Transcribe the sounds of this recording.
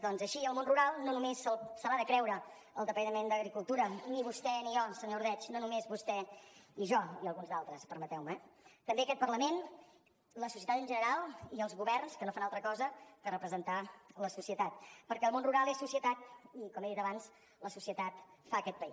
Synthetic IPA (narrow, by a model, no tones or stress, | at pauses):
d̪ɔnzəʃiəlˠmonruɾalˠnonumesəlˠsəɾaðəkɾɛwɾə | əlˠd̪əpənəmend̪əɣɾikulˠt̪uɾəniβust̪ɛniɔsəɲouɾð̞ɛt͡ʃnonumezβust̪ɛniʒɔiəlˠɣunzd̪alˠt̪ɾəspəɾmət̪ɛwməɛt̪əmbeəkɛt̪̚pərləmen | ləsusiət̪at̪ənʒənəɾalˠiəlˠzɣuβɛrnskənofanalˠt̪ɾəkɔzəkərəpɾəzənt̪aləsusiət̪at̪̚pəɾkɛəlˠmonruɾalˠessusiət̪at̪̚ikɔmeðit̪əβans | ləsusiət̪at̪faəkɛt̪̚pəi